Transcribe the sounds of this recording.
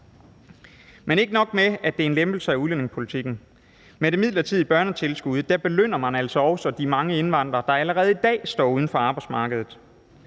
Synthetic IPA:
mene̝ɡ̥ənɒ̽ɡ̥̚meæd̥e̝ɐe̝nlemb̥l̩səæuðlen̰e̝ŋspʰo̝lit͡sʰiɡ̥n̩ | meɾ̥e̝mið̞̰ˠlɐt͡sʰið̰ˠib̥ɶɐnət͡sʰe̝lsɡ̥uð̞̩̰ˠd̥æɐb̥e̝løn̰ɐmænæl̰sɒ̽ɒʊsɒd̥imɑ̈ŋəe̝nʋɑ̈n̰d̥ʁɐd̥ɑ̈æləʁɛːð̞̩ˠid̥ɛ̰ːsd̥ɒ̰ːuð̞ˠn̩fɒ̽ɑ̈ːb̥ɑ̈ɪdsmɑ̈ːɡ̥əðˠð̩ˠ

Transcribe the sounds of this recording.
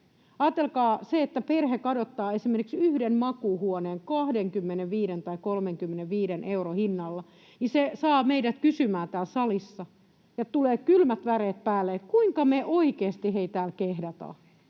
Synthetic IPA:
ɑːt̪ːelkɑːseet̪ːæperhekɑdot̪ːɑːesimerkiksyhdenmɑkuhuoneːŋkɑhdeŋkymːeneʋʋiːɾent̪ɑikolmeŋkymːeneʋʋiːdenʔeurohinːɑlːɑ | nisesɑːmeidæt̪kysymæːt̪æːlsɑlisːɑ | jɑt̪uleːkylmæt̪ʋæɾeːt̪̚pæːlːeet̪kuiŋkɑmeʔoikeːst̪iheit̪æːlkehdɑt̪ɑ̰ː

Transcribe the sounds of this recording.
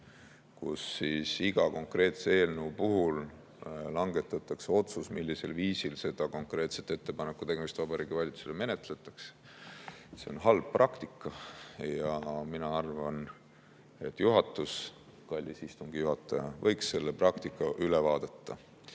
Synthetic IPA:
kṵsːiːsiɡ̥ɑko̞ŋkˑre̞ːt̪see̞ːlnuːpuɦul | lɑŋɡe̞t̪ːˑɑt̪ːˑɑkseo̞t̪susmilʲːise̞lviːsilse̞d̪̥ɑko̞ŋkre̞ːt̪set̪ːˑe̞t̪ːe̞pɑnekːut̪eɡemist̪vɑb̥ɑɾiːɡ̥ivɑlʲit̪su̥seleme̞net̪le̞t̪ːˑɑkse̥ | se̞o̰nɦɑlb̥̚prʔɑkt̪ikːɑjɑminɑɑrvɑn | e̞t̪ːˑjuɦɑt̪ːˑus | kɑlʲːisist̪uŋɡ̥ijuɦɑt̪ˑːɑjɑ̰vɤjksːe̞lːeprɑkt̪ikːˑɑʔylevɑːd̪̥et̪ːɑ

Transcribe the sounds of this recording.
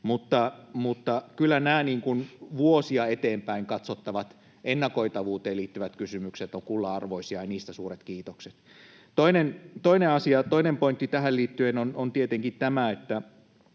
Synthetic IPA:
mut̪ːɑmut̪ːɑkylːænæːniːŋkunʋuosiɑet̪eːmpæiŋkɑt̪sot̪ːɑʋɑt̪ | enːɑkoit̪ɑʋuːt̪eːliːt̪ːyʋæt̪kysymykset̪oŋkulːɑɑrʋoisiɑjniːst̪æsuːret̪kiːt̪okset̪ | t̪oinent̪oineɑsiɑt̪oinempoint̪ːit̪æɦælliːt̪ːyenonont̪iet̪eŋkit̪æmæet̪ːæ

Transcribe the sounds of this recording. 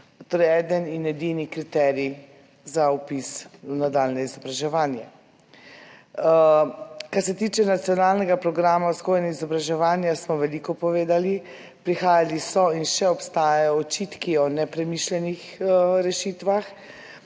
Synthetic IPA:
t̪oːɾɛjɛd̪əninɛd̪inikɾit̪ɛɾi | zaupisnad̪alnɛizɔbɾaʒɛʋaːnjɛ | kaɾsɛt̪it͡ʃɛnat̪sijɔnaːlnɛɡapɾɔɡɾaːmawskojnɛizɔbɾaʒɛʋaːnjasmɔʋɛlikɔpɔʋeːd̪ali | pɾixaːjalisɔinʃɛɔpst̪aːjajɔːt͡ʃit̪kiɔnɛpɾɛmiʃlɛnixɾɛʃit̪ʋax

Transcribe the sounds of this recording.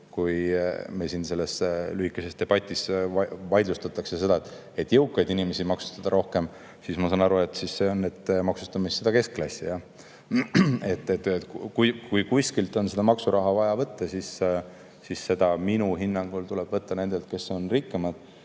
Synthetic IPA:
kujmesinse̞lːe̞slyhikːˑese̞st̪e̞b̥ɑt̪ʲːˑisɑvɑjd̪lust̪ɑt̪ːˑɑkse̞se̞d̪ɑet̪ːˑ | e̞t̪ːˑjɤwkːˑɑjd̪inime̞sʲimɑksu̥st̪ɑd̪̥ɑɾo̞hke̞m | sismɑsɑnɑɾue̞t̪ːsisːeonːed̪mɑksu̥st̪ɑmisːed̪ɑke̞sklɑsʲijɑ | e̞t̪ːet̪kujkujkujskilt̪ˑo̞nse̞d̪̥ɑmɑksuɾɑɦɑvɑjɑvɤt̪ːɑsis | sisːe̞d̪̥ɑminuɦinːɑŋɡ̥ult̪uleb̥vɤt̪ːɑne̞nd̪̥elt̪̚ke̞so̞nrikːemɑd̪̥

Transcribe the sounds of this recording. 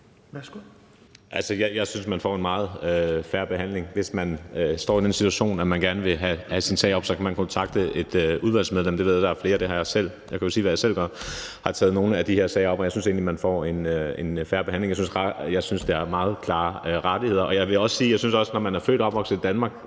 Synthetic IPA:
ʔælsəjɑɪjɑ̈ɪsynsmænfɒ̰ːenmɑ̈ːð̞̩ˠøfæɐb̥e̝ɦhæn̰le̝ŋʋe̝smænøsd̥ɒ̰ːid̥ensit͡sʰuæɕo̝̰ːnæmænɡ̥æɐnəʋe̝ɦæhæsinsɛ̰ɪɒ̽b̥sɒ̽kʰæmænkʰɔ̽nt͡sʰɑ̈ɡ̥d̥əe̝d̥øuðˠʋæl̰smeð̞ˠlem̰d̥eʋe̝̰jæd̥ɑɐfle̝ːɐd̥e̝hɑ̈jɑ̈ɪsel̰ | jɑkʰæjosiːʋæjɑɪsel̰ɡ̥ɶɐhɑ̈t͡sʰɛ̰ːð̩ˠno̝ːnəæd̥ihe̝ɐsɛ̰ːɪɐɒ̽b̥ɒjaɪsynse̝̰ːnlimænfɒ̰ːe̝ne̝nfæːɐb̥e̝hænleŋjaɪsyn̩sʁɑjɑ̈ɪsynsd̥e̝æɐmɑ̈ːð̞̩ˠkʰlɑ̈ːʁɑ̈d̥ihe̝ð̞̰ˠɐʔɒ̽jɑ̈ɪʋe̝ɒ̽sə̥siːjɑ̈ɪsynsɒ̽sənɒmænæɐfø̰ːɾɒ̽b̥ʋɒ̽ɡ̥səid̥ænmɑ̈ːɡ̥

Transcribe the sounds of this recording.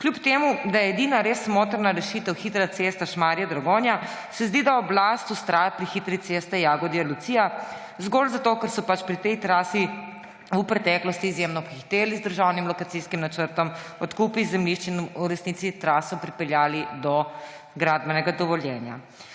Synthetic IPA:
kljupt̪eːmud̪ajɛɛd̪inaɾeːsmoːt̪əɾnaɾɛʃiːt̪əwxit̪ɾasest̪aʃmaːɾiɛd̪ɾaɡoːnjasɛzd̪iːd̪aɔblaːst̪ust̪ɾaːjapɾixit̪ɾit̪est̪ɛjaːɡɔd̪ialusija | zɡoːlzat̪oːkɛɾsɔpat͡ʃpɾit̪ɛjt̪ɾaːsi | upɾɛt̪ɛːklɔst̪iːzjemnɔpxixt̪eːlizd̪əɾʒawnimlɔkat̪siskimnat͡ʃəɾt̪ɔmɔt̪kupizɛmliʃt͡ʃinuɾɛsniːt̪sit̪ɾaːsɔpɾipɛljaːlid̪ɔ | ɡɾaːd̪̚bɛnɛɡad̪ɔʋɔljɛːnja̰

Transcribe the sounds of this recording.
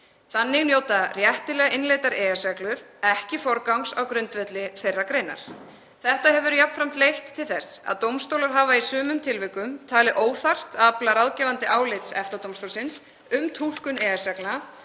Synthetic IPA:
θanːɪɣnjoːwt̪arjɛht̪ɪlɛːɣaʔɪnleːjt̪aɾɛːɛsaklʏɾ̥ɛhcɪfɔɾkawŋsawkɾʏnt̪vɛt̪lɪθejrːakɾeːjna̰ɾ̥ | θɛht̪aɦɛvʏɾjap̚nfɾam̥t̪lejht̪ʰːɪlθɛsa̰ðt̪owmst̪owlaɾ̥ɦaːvaisʏːmʏmt̪ʰɪlvɪkʏmt̪ʰaːlɪðʔoːwθar̥t̪aplaɾaðcɛːvant̪ɪʔaːwlɪjt̪sɛft̪at̪owmst̪owlsɪns | ʏmt̪ʰul̥kʏnɛːɛ̥sakla

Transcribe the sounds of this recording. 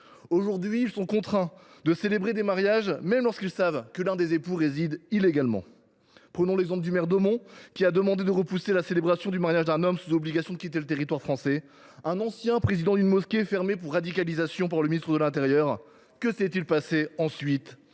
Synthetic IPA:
oʒuʁd̪ɥiːlsɔ̃kɔ̃t̪χɛ̃ | d̪əselebʁed̪emaʁjaʒmɛmlɔʁskʲilsavkəlɛ̃d̪ezepuʁezid̪ileɡalmɑ̰̃ | pχənɔ̃lɛɡzɑ̃pld̪ymɛʁd̪ɔmɔ̃kʲiad̪əmɑ̃d̪ed̪əʁəpuselaselebʁasjɔ̃d̪ymaʁjaʒd̪ɛ̃nɔmsuzɔbliɡasjɔ̃d̪əkʲit̪elət̪eʁit̪waʁfχɑ̃sɛ | ɛ̃nɑ̃sjɛ̃pχezid̪ɑ̃d̪ynmɔskʲefɛʁmep̬uʁːad̪ikalizasjɔ̃paʁləminist̪χəd̪əlɛ̃t̪eʁjœʁ | kəsɛt̪ilpaseɑ̃sɥit̪

